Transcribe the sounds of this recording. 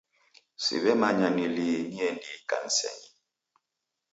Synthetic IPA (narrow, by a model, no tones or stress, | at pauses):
sḭβɛmaɲaniliniɛnika̰n̩sɛ̰ɲi